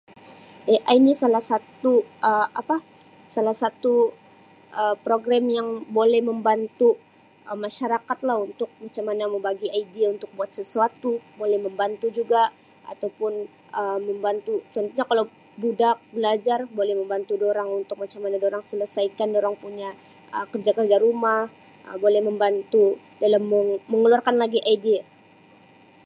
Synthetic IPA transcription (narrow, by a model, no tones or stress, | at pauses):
ɛʔainisalahsat̪uʔəapa | salahsat̪u | ʔəpɾoɡɾamjaŋbolɛhməmbant̪u | ʔəmaʃaɾakat̪lahunt̪ʊk̚mat͡ʃamanaməmbaɡiaidiaunt̪ʊk̚buat̪̚səsuat̪ubolɛhməmbant̪ud͡ʒuɡa | ʔa̰t̪awpʊn | əməmbant̪ut͡ʃɔnt̪oɲakalaw | budak̚bəlad͡ʒarbolɛhməmbant̪udoɾaŋunt̪ʊk̚mat͡ʃamanadoɾaŋsələsajkandoɾaŋpuɲa | əkərd͡ʒakərd͡ʒaɾumah | əbolɛhməmbant̪u | dalamːəːəŋəluarkanlaɡiʔaidia